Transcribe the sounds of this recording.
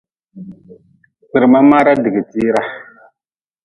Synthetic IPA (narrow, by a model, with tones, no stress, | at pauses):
si˨ɾma˦ma˦ɾa˦di˨ɡi˨ti˦ɾa˦